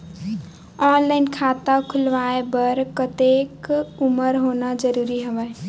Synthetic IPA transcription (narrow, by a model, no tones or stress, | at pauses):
ɔnlaɪnkʰat̪əkʰulʋaebəɾkət̪ekuməɾɦonad͡ʒəɾuɾiɦəʋəj